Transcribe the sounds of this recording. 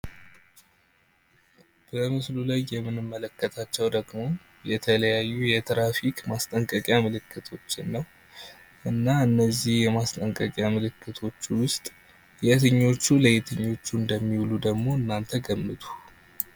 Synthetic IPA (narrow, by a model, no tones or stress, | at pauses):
b̥əmɨslulajːɛmːɨnɨmːələkːət̪ʰat͡ʃːɛwd̪əɡmo̞ | jɛt̪ʰələjajːujɛt̪ʰɾafikmast̪ʼəŋkʼəkʼjamɨlɨkʰːɨt̪ʰo̞t͡ʃːɪnːəw | ʔɨnːaɨnːəzːihjɛmast̪ʼəŋkʼəkʼjamɨlɨkːɨt̪ʰo̞t͡ʃːwʊst̪ʼ | jɛt̪ʰɨɲːo̞t͡ʃːuləjɛt̪ʰɨɲːo̞t͡ʃːuɨnd̪əmːiwlud̪əɡmo̞ɨnːant̪ʰəɡəmːɨt̪ʰu̥